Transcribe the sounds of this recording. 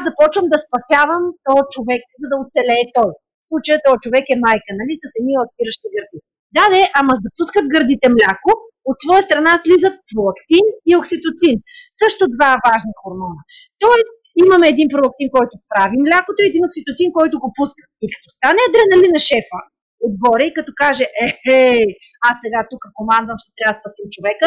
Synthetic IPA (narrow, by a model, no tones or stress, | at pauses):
azɐpɔt͡ʃvəmd̪ɐspɐsʲjavəmt̪ɔjt͡ʃovɛk̚zɐd̪ɐot̪sɛlɛːt̪ɔj | fslˠut͡ʃəjət̪ɔjət͡ʃovɛkɛmajkənɐlisəsɐmilˠɐk̚t̪iɾəʃt̪iɡəɾd̪i | d̪ad̪ɛʔamɐzd̪ɐpuskət̪̚ɡəɾd̪it̪ɛmlʲako | ot̪svɔjəst̪ɾɐnaslizət̪̚pɾolˠɐkt̪inioksit̪ot̪sinsɤʃt̪od̪vavaʒnixoɾmɔnɐ | t̪ɔɛs | imɐmɛːd̪inpɾolˠɐk̚t̪inkɔjt̪opɾavimlʲakot̪oiɛd̪inoksit̪ot̪sinkɔjt̪oɡopuskə̥t̪̚ikɐ̥t̪ɔst̪anɛd̪ɾɛnɐlinɐʃɛfə | od̪̚ɡɔɾɛikɐt̪ɔkaʒɛʔɛhɛ | asːɛɡat̪ukəkomand̪vɐmʃt̪ɛ̥t̪ɾʲavɐspɐsimt͡ʃovɛkə